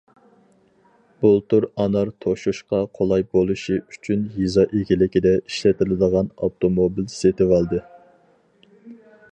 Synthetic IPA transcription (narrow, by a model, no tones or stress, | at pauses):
b̥ulˠt̪uɾɑnɑɾt̪ʰoʃuʃqɑqʰolˠɑjbolˠuʃiyt͡ʃʰynjizɑʔekʲilɪkʲid̪ɛiʃlɛt̪ʰɪlɪd̪əʁɑnɑ̰t̪ʰomobilset̪ɪwɑlˠd̪ɨ